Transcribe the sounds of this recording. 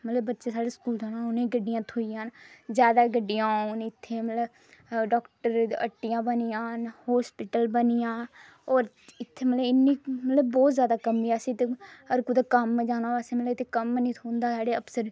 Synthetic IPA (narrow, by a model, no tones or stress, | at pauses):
mət̪ləbbətːʃeːsaːɽeːskuːlt̪aːnãːʊnẽːɡəɖːɪjãːt̪ʰoːijãːnzjaːd̪aːɡəɖːɪjãːoːnɪt̪ʰːeːmət̪ləb | ɖɔːkʈəɾə̰ʈːɪjãːbənɪjãːhɔːspɪʈəlbənijãː | oːɾ | ɪt̪ʰːeːmət̪ləɪnːiːmət̪ləbɔːt̪zjaːd̪aːkəmːiːaːsiːt̪eəɾkʊd̪ːkəmd͡ʒaːnãːbaːseːmət̪ləbɪt̪ʰekəmnĩːt̪ʰoːnd̪aːsaːɽeːəpsəɾ